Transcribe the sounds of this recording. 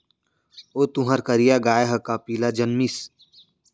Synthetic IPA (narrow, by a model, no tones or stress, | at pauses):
oːt̪uɦəɾkəɾijaɡaːeɦɐkapiːlad͡ʒɐnmis